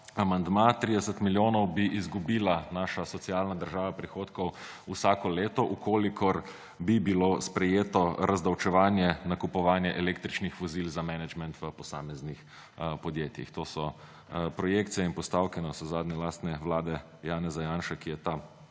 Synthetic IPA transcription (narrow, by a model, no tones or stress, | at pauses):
amand̪maːt̪ɾid̪ɛsət̪miljoːnɔwbiʔizɡubiːlanaːʃasɔt̪sialnad̪əɾʒaːʋapɾixoːt̪kɔw | usakɔleːt̪ɔʔukoːlikʰɔɾ | bibilospɾɛjeːt̪ɔɾazd̪awt͡ʃɛʋaːnjɛnakupɔʋaːnjɛʔɛleːkt̪ɾit͡ʃnixʋɔzilzamɛnɛd͡ʒmɛnt̪ʋəpɔsa̰ːmɛznix | pɔd̪jeːt̪jḭxt̪oːsɔ | pɾɔjekt̪sijɛinpɔst̪awkinɔsɔzaːd̪nʲɛlaːst̪nɛʋlaːd̪ɛ | jaːnɛzajaːnʃakijɛt̪a